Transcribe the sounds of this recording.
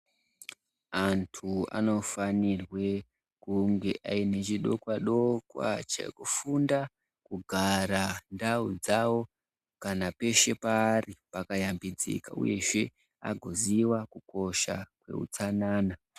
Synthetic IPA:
antʰua̰no̞fanirwe̞ | kuŋɡe̞ʔaine̞t͡ʃiɗo̞kwaɗo̞kwa̰t͡ʃḛkufunda | kuɡʱaɾandaud͡zawo̞ | kanape̞ʃe̞paːripakajambid͡zḭka̰ṵje̞ʐe̞ | a̰ɡʱoziwakuko̞ʃa̰kwe̞̰ṵt͡sanaːna

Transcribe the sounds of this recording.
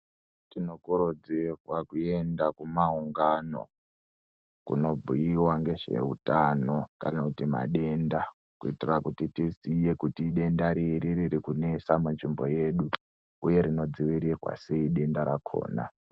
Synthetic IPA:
tino̞kuɾod͡zirwakue̞ndakumauŋɡano̞̰ | kṵno̞bʱujiwaŋɡe̞ʐe̞̰utano̞kanakutima̰ɗe̞nda | kuitirakutitisije̞kutiɗe̞ndaɾiɾiɾiɾikune̞samunʐimbo̞je̞ːɗu | uje̞ɾino̞d͡ziʋiɾirwa̰seiɗe̞ndaɾakʰo̞̰ːna̰

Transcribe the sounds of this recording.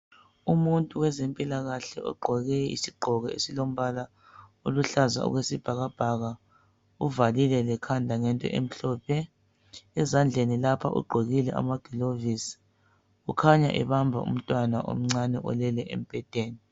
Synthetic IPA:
umuntʼuwɛzempʼilaɣaɬɛʔɔ̰ɡ͡ǃʱɔɣɛḭsiɡ͡ǃʱɔɣɛesilom̩βala | oluɬaza̰ṵɣwesib̥ʱaɣab̥ʱaɣa | uvalilɛlɛkʰandʱaŋɛntʼɔ̰ʔem̩ɬɔːpʰɛː | zand͡ɮʱenilapʰa̰ʔṵɡ͡ǃʱoɣilɛʔa̰maɡ̥ʱilovisi̥ | ukʰaɲa̰ʔɛ̰βambʱa̰ṵm̩tʼwanaʔo̰m̩ŋ͡ǀanɛʔɔ̰lɛlɛʔḛm̩pʼɛtʼeːni

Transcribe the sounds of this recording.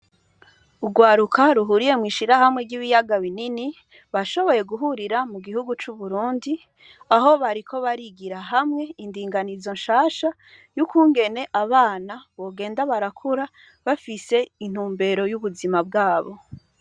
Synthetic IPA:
uɡwaːɾukʰaɾuɦuɾije̞mŋiːʃiɾaɦhamŋe̞ɾɟiβijaɡaβinini | βaʃo̞βo̞je̞ɡuɦuɾiɾamuɡihuɡut͡ʃuβuɾuːndi | aɦo̞βaɾikʰo̞βaɾiɡiɾaɦamŋe̞indiːŋɡanizo̞nʃaːʃa | jukuːŋɡe̞ne̞ʔaβaːnaβo̞ːɡe̞ːndaβaɾakʰuɾa | βafise̞in̥huːmbe̞ɾo̞juβuzimabɡaːβo̞

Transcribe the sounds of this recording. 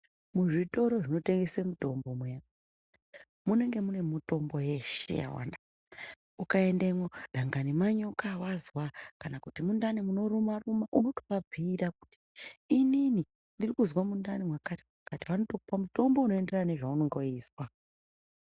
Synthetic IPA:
muʐito̞ɾo̞ʐino̞te̞ŋɡesemuto̞mbo̞mweja | mune̞ŋɡe̞mune̞muto̞mbo̞je̞ʃḛja̰wa̰nda | ukae̞ndemoɗʱaŋɡanimaɲokawazwakanakutimundanimuno̞ɾumarumaʔuno̞to̥pab͡vʱiːɾaku̥ti̥ːnini | ndirikuzwamundanimwakati̥makatiʋano̞tokupamuto̞mbo̞uno̞ende̞rane̞ʐauno̞ŋɡo̞iːswa

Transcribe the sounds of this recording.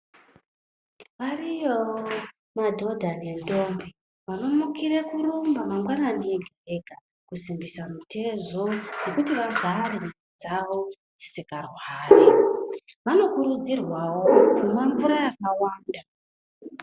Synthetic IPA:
ʋarijo | madʱo̞dʱanendo̞mbi | ʋano̞mukiɾekurumbamamwananeɡʱereɡʱa | kusimbisamute̞zonekutiʋaɡʱaɾe̞nenid͡zawo | d͡zi̥sikarwaːre | ʋano̞kuɾud͡zirwawo̞mumweɱvuɾajakawaːnda

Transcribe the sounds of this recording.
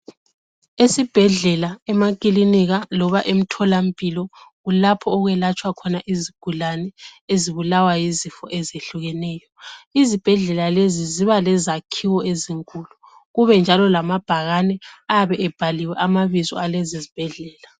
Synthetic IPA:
esib̥ʱɛɮɛlaɛmakʼiliniɣalɔβaʔem̩tʰɔlam̩pʼilɔɣulapʰɔːɣwɛlat͡ʃʼwakʰɔnaʔiziɡ̥ʱulanɛeziβulawajizifɔ̰ʔɛzeɬuɣɛnɛːjɔizib̥ʱɛɮɛlaleziziβalɛzakʰiwɔeziŋkʼulu | ɣuβɛnd͡ʒʱalɔlamab̥ʱaɣanɛaβɛʔɛb̥ʱaliwɛʔamaβizɔ̰alɛzizib̥ʱɛɮɛːla

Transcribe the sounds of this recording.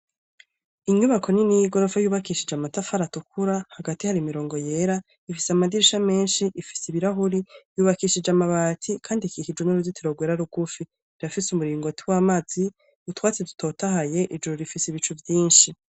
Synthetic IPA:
iɲuβakʰo̞niniɡoɾofajuːβakiʃid͡ʒamatafaɾatukʰuɾahaɡatihaɾimiɾo̞ːŋɡo̞jeɾa | ifisamadiɾiʃame̞ːnʃiʔifi̥siβiɾaɦuɾijuːβakiːʃid͡ʒamaβaːtʰikʰaːndikihid͡ʒwenuɾuditʰiɾoɡweːɾaɾuɡ̥ufi | iɾafisumuɾiːŋɡo̞tʰiwaːmazi | utwaːt͡sedutʰo̞ːtaɦaje̞ʔid͡ʒuɾuɾifisiβit͡ʃuvjiːnʃi

